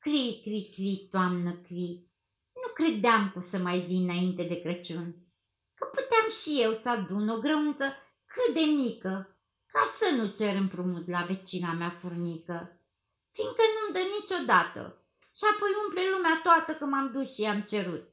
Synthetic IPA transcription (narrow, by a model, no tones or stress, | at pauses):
kɾijkɾikɾit̪oamnəkɾi | nukɾe̞d̪eamkosəmajvinaint̪e̞d̪e̞kɾət͡ʃun | kəput̪eamʃije̞wsəad̪uno̞ɡɾeunt̪sə | kɨt̪̚d̪e̞mikə | kasənut͡ʃe̞ɾɨmpɾumut̪lave̞t͡ʃinameafurnikə | fiŋɡkənumd̪ənit͡ʃo̞d̪at̪ə̰ | ʃiapo̞jumplelumeat̪oat̪əkəmamd̪usʃiamt͡ʃe̞ɾut̪̚